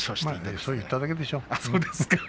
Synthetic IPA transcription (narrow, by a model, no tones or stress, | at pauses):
somasojɯt̪ːad̪aked̪eʃoasod̪esɨ̥ka